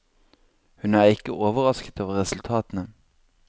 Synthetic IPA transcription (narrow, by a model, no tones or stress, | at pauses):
hʉnæːʁɪkəʔoːʋəʁɑskə̥t̪oːʋəʁɛsʉl̩t̪ʰɑːt̪n̩ə